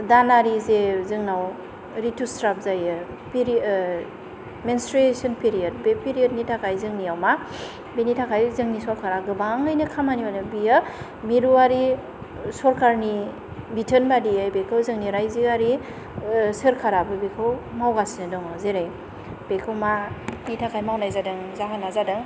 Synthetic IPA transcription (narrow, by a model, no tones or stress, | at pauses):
danaɾizezɯŋnaw | ɾitustɾap̚zajɯ | piɾ | menstɾesɔnpiɾijad̚bepiɾijət̚nitʰakʰajzɯŋniawma | benitʰakʰajzɯŋnisɔɾkʰaɾaɡɯbaŋɯjnɯkʰamaniwanɯbia | miɾuaɾi | sɔɾkʰaɾni | bitʰənbadiajbekʰɯwzɯŋniɾajziaɾi | sɯɾkʰaɾabɯbekʰɯwmawɡasnɯdɔŋɔzeɾaj | b̥ekʰɯwmanitʰakʰajmawnajzadɯŋzaɦanazadɯŋ